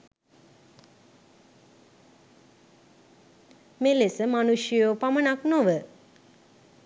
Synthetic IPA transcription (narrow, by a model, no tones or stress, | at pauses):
melesəmanuʃjjopamənaknoʋə